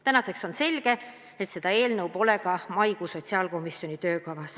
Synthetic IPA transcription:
t̪ænɑse̞kso̞nse̞lɡ̥e̞ | et̪se̞d̪̥ɑe̞ːlnɤwbo̞le̞ɡɑmɑjɡ̥uso̞tʲsiɑːlko̞misjo̞nʲit̪ø̞ːkɑvɑs

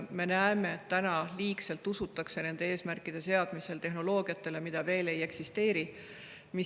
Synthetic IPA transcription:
me̞næeme̞ːt̪ːænɑliːkse̞lt̪ːusut̪ːˑɑkse̞ne̞nd̪̥e̞e̞ːsmærkːˑid̪̥e̞se̞ɑd̪̥mise̞lt̪e̞ɦno̞lo̞ːɡ̥iɑt̪ːe̞le̞mid̪̥ɑve̞ːle̞je̞ksist̪e̞ːɾi | mi

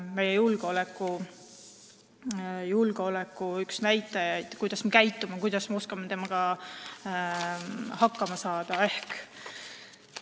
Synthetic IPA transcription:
me̞jːejulɡ̥eo̞le̞kːˑu | julɡ̥eo̞lekːˑuyksnæjt̪ːˑɑjɑjd̪̥kujd̪̥ɑsmekæjt̪ːˑumɑkujd̪̥ɑsmeoskɑmet̪e̞mɑɡ̥ɑ | hɑkːˑɑmɑsɑːd̪̥ɑe̞hk

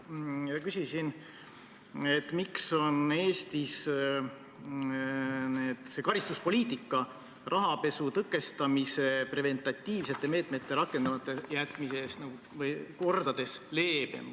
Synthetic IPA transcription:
jɑkysʲisin | et̪ːmikso̞ne̞ːst̪is | ne̞ːd̪̥sekɑɾist̪uspo̞lʲiːt̪ːˑikːˑɑ | rʔɑɦɑpe̞sut̪ɤkːˑe̞st̪ɑmise̞pre̞ve̞nt̪ˑɑt̪ʲːiːvse̞t̪ːe̞me̞ːt̪ˑme̞t̪ːe̞ɾɑkːˑe̞nd̪̥ɑvɑt̪ːˑejæt̪ːˑmiseːsnɑɡ̥u | vɤjko̞rd̪̥ɑd̪̥e̞sle̞ːb̥ḛm

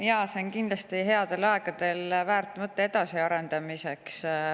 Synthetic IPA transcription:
jɑːseonkind̪lɑst̪iɦe̞ɑd̪̥e̞lɑe̞ɡ̥ɑd̪e̞lvæːɾt̪ːˑmɤt̪ːeed̪̥ɑsiɑɾe̞nd̪ɑmise̞ks

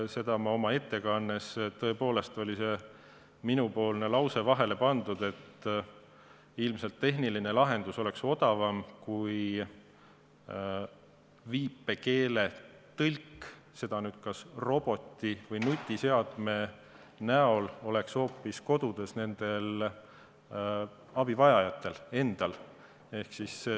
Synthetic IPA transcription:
se̞d̪ɑmɑo̞mɑe̞t̪ːe̞kɑnːest̪ɤ̞e̞po̞ːle̞st̪o̞lʲise̞ | minupo̞ːlne̞lɑwse̞vɑɦe̞le̞pɑnd̪̥ud̪e̞t̪ː | ilmse̞lt̪ːe̞ɦniline̞lɑɦe̞nd̪̥uso̞le̞kso̞d̪̥ɑvɑmkuj | viːpːe̞ke̞ːle̞t̪ɤlʲkː | se̞d̪̥ɑnyːd̪̥kɑsro̞b̥o̞t̪ʲːivɤjnut̪ʲːˑise̞ɑd̪̥me̞ | næo̞lo̞le̞kso̞ːpːˑisko̞d̪̥ud̪̥e̞sne̞nd̪̥e̞l | ɑb̥ivɑjɑjɑt̪ːˑe̞le̞nd̪̥ɑl | e̞hksis

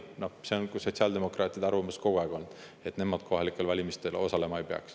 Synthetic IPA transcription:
no̞hseonkuso̞t̪ʲsiɑld̪̥e̞mo̞krɑːt̪ʲːˑid̪̥ɑrvɑmɑsko̞ɡ̥oɑːɡ̥o̞n | et̪ne̞mɑd̪̥̚ko̞ɦɑlikːˑe̞lvɑlʲimist̪e̞lo̞̰sɑle̞mɑejpeɑ̰ks

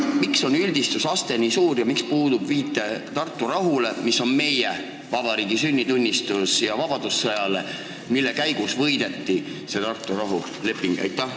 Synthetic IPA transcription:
mikso̞nylʲd̪̥ist̪usɑst̪e̞nisuːɾjɑmikspuːd̪̥ubviːt̪ːˑe̞t̪ɑrt̪ːˑuɾɑɦule̞misːo̞nme̞je | vɑbɑɾiːɡ̥isynʲːit̪unʲːist̪usjɑvɑb̥ɑd̪̥usːɤjɑle | milːe̞kæjɡ̥usvɤ̞jd̪̥e̞t̪ːi | se̞t̪ɑrt̪ːˑuɾɑɦu | le̞pːˑiŋɡ̥ḛjt̪ːˑɑ

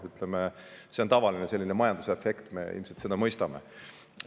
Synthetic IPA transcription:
yt̪ˑlemese̞ont̪ɑvɑlinese̞lːinemɑjɑnd̪usefekt̪me̞̰ḭlmselt̪sed̪ɑmɤjst̪ɑmḛ

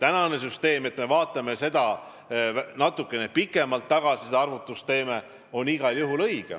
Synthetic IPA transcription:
t̪ænɑne̞s̬yst̪e̞ːme̞t̪me̞vɑːt̪ːˑɑme̞se̞d̪̥ɑ | nɑt̪ːˑukːˑe̞nepikːˑe̞mɑlt̪ːɑɡ̥ɑsised̪ɑrvut̪ːˑust̪e̞ːme̞ | o̞niɡ̥ɑljuɦulɤjɡ̥ḛ

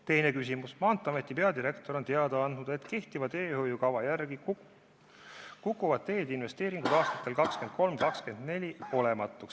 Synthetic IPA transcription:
t̪e̞jne̞kys̬ʲimusmɑːnt̪ːˑɑme̞t̪ːˑipe̞ɑd̪iɾe̞kt̪o̞ɾo̞nt̪e̞ɑd̪ɑɑnnud̪̥e̞t̪ke̞ht̪ivɑd̪e̞ːhojukɑvɑjærɡ̥i | kukːˑuvɑd̪̚t̪ːe̞ːd̪̥inve̞st̪e̞ːɾiŋɡ̥ud̪ɑːst̪ɑ̥t̪ːˑe̞lkɑkske̞nd̪̥̚ko̞lmkɑkske̞nd̪ne̞lʲio̞le̞mɑt̪ːˑuks

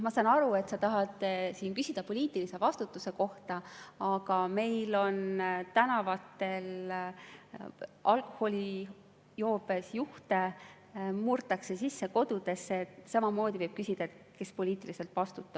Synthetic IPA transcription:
mɑsɑnɑɾue̞t̪sɑt̪ɑɦɑd̪siːnkysid̪̥ɑpo̞lʲiːt̪ˑilise̞vɑst̪ut̪ːˑuse̞ko̞ht̪ɑɑɡ̥ɑme̞jlo̞nt̪ænɑvɑt̪ːˑe̞l | ʔɑlko̥ho̞lʲi | jo̞ːbe̞sjuht̪e̞ | murt̪ːˑɑkse̞sisːe̞ko̞d̪ud̪̥e̞sːet̪sɑmɑmo̞ːd̪ʲivɤjb̥kysid̪̥ɑe̞t̪ | ke̞spo̞lʲiːt̪ːˑilise̞lt̪vɑst̪ut̪ːˑɑ̥

